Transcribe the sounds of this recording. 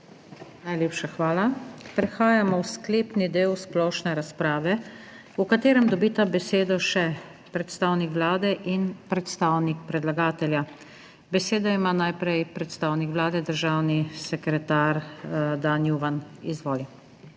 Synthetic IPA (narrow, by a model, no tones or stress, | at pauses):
najlʲeːpʃaxʋaːlapɾɛxaːjamɔwskleːpnid̪eːwsplɔʃnɛɾaspɾaːʋɛ | ukat̪eːɾɛmd̪ɔbiːt̪abɛseːd̪ɔʃɛ | pɾɛt̪st̪aːwnikʋlaːd̪ɛʔinpɾɛt̪st̪aːwnik̚pɾɛd̪laɡaːt̪ɛlja | bɛseːd̪aimaːnajpɾɛjpɾɛt̪st̪aːwnikʋlaːd̪ɛd̪əɾʒaːwnisɛkɾɛt̪aːɾd̪anjuʋanizʋoːli